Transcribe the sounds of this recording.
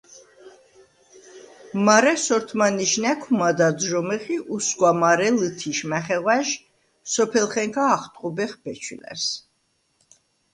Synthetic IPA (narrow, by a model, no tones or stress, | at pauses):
maɾɛsɔɾt̪ʰmaniʃnɛkʰumad̪ad̪ʒɔmɛχiʔusɡwamaɾɛlɨt̪ʰiʃmɛχɛʁwaʒ | sɔpʰɛlχɛŋkʰaːχt̪ʼqʼubɛχbɛt͡ʃʰwḭlɛ̰ɾs